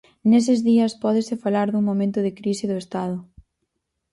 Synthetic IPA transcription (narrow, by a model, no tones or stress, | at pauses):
nes̬ɪzðiɐspɔðɪsɪfalaɾðuŋmõmẽnt̪ʊðɪkɾisɪðʊest̪að̞ʊ